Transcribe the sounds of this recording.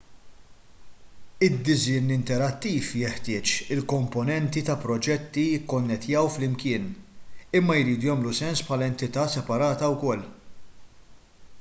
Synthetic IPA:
ɪd̪ːɪzɪnɪnt̪ɛɾɐt̪ːiːfjɛħt̪ɪːt͡ʃɪlkɔmpɔnɛnt̪it̪ɐpɾɔd͡ʒɛt̪ːijɪkːɔnːɛt̪jɐwflɪmkɪːnɪmːɐjɾiːd̪ujɐːmlusɛnspħɐlɐɛnt̪ɪt̪ɐːsɛpɐɾɐːt̪ɐwkɔlː

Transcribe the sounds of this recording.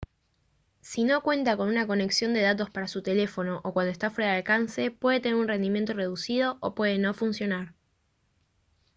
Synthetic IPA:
sino̞kwe̞nt̪ako̞nunako̞ne̞ksjo̞nd̪e̞ðat̪o̞spaɾasut̪e̞le̞fo̞no̞ʔokwand̪oest̪afwe̞ɾaðalkanse̞pwe̞ðe̞t̪e̞neɾunre̞nd̪imjent̪o̞re̞ð̞usið̞o̞ʔopwe̞ð̞e̞no̞funsjo̞naɾ

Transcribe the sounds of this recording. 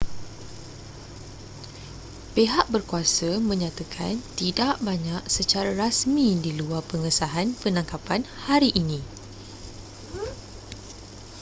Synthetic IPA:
peɦaʔbərkuasəmə̃ɲãt̪akʰa̰nt̪idaʔbaɲaʔsət͡ʃaɾaɾasmĩdiluarpəŋəsaɦanpənãŋkapanhaɾiʔːnĩ

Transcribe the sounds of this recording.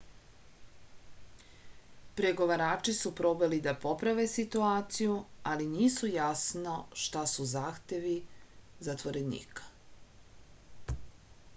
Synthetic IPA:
pɾeɡo̞ʋaɾaːt͡ʃisupɾo̞belid̪apo̞pɾaʋe̞sit̪uaːt̪sijualiniːsujasno̞ʃt̪asuzaːxt̪e̞ʋizat̪ʋo̞ɾe̞nḭːkḁ

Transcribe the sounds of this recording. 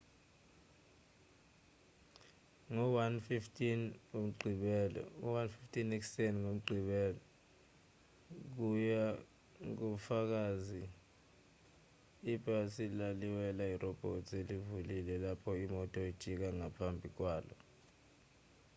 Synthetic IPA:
ŋɔwanfiftʰʼinŋom̩ǃʱiɓɛlɔ̰uwanfiftʰʼiniksɛnŋom̩ǃʱiɓɛːlɔ | k̬uja | k̬ufak̬azi | b̥ʱʼasilaliwɛlairɔb̥ʱo̰tʰʼelivulilɛlapʰɔimɔtʼɔid̥ʒ̥ʱik̬aŋapʰambʱik̬waːlɔ

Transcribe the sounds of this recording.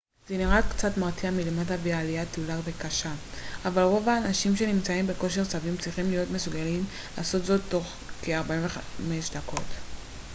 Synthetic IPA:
zeniʁakt͡satmaʁt̪iamilematavialijat̪ulavekaʃaavalʁo̞vaːnaʃimʃe̞nimt͡saimbe̞ko̞ʃeʁt͡savimt͡sʁiχimlijo̞tme̞suɡalim | laːso̞tzo̞t̪ːo̞χ | keaʁbaimveχame̞ʃdako̞t

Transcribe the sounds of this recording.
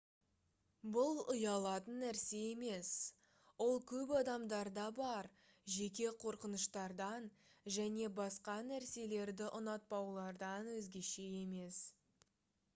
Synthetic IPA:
bʊlˠʊjɑlˠɑt̪ənːæɾse̞e̞me̞s | wo̞lˠkʲʰɵpɑd̪ɑmd̪ɑɾd̪ɑbɑɾ | ʒe̞k̬ʲe̞qʰo̞ɾqənəʃt̪ɑɾd̪ɑnʒæne̞bɑsqɑnæɾse̞le̞ɾd̪ɪʔʊnɑt̪̚pɑwlˠɑɾd̪ɑnwɵzɡʲe̞ʃe̞je̞me̞s

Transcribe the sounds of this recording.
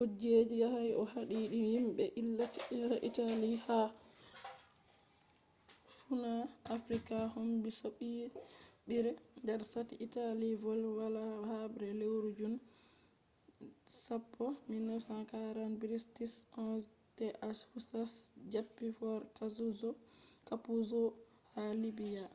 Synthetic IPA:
hod͡ʒed͡ʒijahajʔɔhaɗiɗijimɓɛʔilːatilːaʔitaliha | funaʔafɾikahombisoɓiɓiɾɛndɛɾsatiʔitalivɔlwalahabɾɛlewɾud͡ʒun | sapːɔminɔsakaɾanbiɾistisɔn | tɛʔashusasd͡ʒapːifɔɾkazuzɔkapuzɔ | halibija

